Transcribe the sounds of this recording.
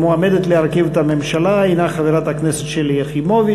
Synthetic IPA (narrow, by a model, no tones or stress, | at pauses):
moamed̪et̪leaʁkivet̪amemʃalainaχaveʁat̪hakneset̪ʃelijaχimovi